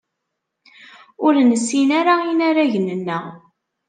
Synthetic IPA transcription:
ʊɾnəsːinaɾainaɾæʝənənːə

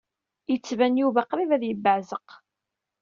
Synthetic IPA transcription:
jət͡sːvænjuvaqɾivæðjəbːəʕzəq

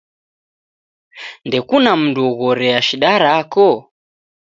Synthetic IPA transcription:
ndɛkunam̩nduɔɣɔɾɛaʃiɗaɾakɔ

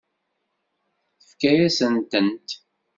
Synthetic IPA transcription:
θəfkæjæsənt̪ənt̪

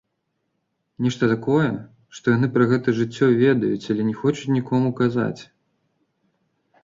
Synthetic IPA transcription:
nʲɛʂt̪ɐt̪akɔjɛ | ʂt̪ɔjanɨpɾɐɣɛt̪ɐʐɨt͡sʲːɔvʲɛd̪ɐjut͡sʲalʲɛnʲɛxɔt͡ʃut͡sʲnʲikɔmukaza̰t͡sʲ

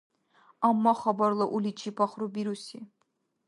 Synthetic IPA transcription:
amːaχɐbɐrlˠɨʔulit͡ʃʰipʰɑχrubiɾusi

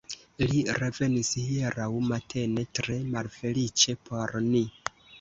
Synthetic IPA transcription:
liɾe̞ve̞nishieɾawmatʰe̞ne̞tɾe̞malfe̞lit͡ʃe̞po̞ɾni

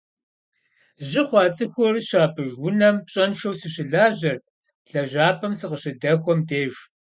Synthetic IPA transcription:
ʑɪχʷɑːt͡sʼɨxʷɔrɕaːpʰɨʒwʊnɐmpɕʼɐnʃɐwsɨɕɪɮaːʑɐr | ɬɐʒʷaːpʰɐmsɨqəɕɪdɐxʷɔmdeːʒ

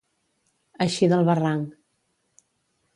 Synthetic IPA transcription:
əʃiðəlˠβəraŋk

